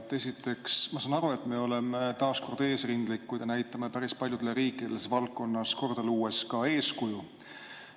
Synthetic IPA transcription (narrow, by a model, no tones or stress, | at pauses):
t̪ːe̞sʲit̪ːe̞ksmɑsɑnɑɾue̞t̪ˑme̞o̞lemet̪ɑːsko̞rd̪e̞ːsrind̪̥likːujd̪jɑnæjt̪ːˑɑme̞pæɾispɑlʲjud̪̥eleɾiːkːˑid̪̥e̞lesvɑlkːo̞nːɑsko̞rd̪̥ɑluːe̞skɑe̞ːskuju